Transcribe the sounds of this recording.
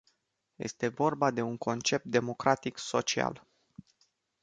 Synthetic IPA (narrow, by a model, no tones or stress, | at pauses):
je̞̰st̪e̞vo̞rbad̪e̞uŋko̞nt͡ʃe̞p̚t̪̚d̪e̞mo̞kɾat̪ikso̞t͡ʃia̰l